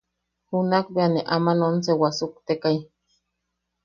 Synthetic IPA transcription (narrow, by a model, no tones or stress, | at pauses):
hunakbeaneʔamanonsewasuk̚t̪ekaj